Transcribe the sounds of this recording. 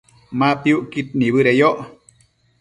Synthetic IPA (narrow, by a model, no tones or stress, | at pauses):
mapiuʔkit̪̚niβɨɾejoʔ